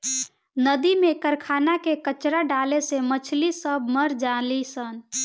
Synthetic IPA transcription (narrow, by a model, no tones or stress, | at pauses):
nəd̪imekəɾkʰanakekət͡ʃɾaɖalesemət͡ʃʰlisəbʱməɾd͡ʒalisən